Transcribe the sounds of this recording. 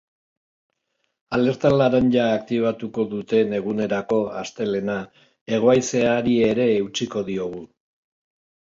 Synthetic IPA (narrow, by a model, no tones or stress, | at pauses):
ale̞ɾt̪alaɾanʎaːk̚t̪iβ̞at̪uko̞ðut̪e̞ne̞ɣ̞une̞ɾako̞ast̪e̞le̞na | e̞ɣ̞o̞ajse̞aɾieɾe̞ːwt͡siko̞ðio̞ɣ̞u